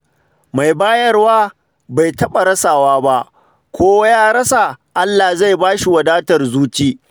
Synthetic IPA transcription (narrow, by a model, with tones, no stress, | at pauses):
ma˨jbaː˦jɐ˦rwaː˦ | ba˨jtɐ˦ɓa˨ɾɐ˦saː˨waː˦ba˦ʔ | kʷoː˦wa˦jaː˦˨ɾɐ˦sa˨ʔa˦lːa˨za˦˨jbaː˦ʃi˨wɐ˨daː˦tɐ˨rzuː˦t͡ʃiː˦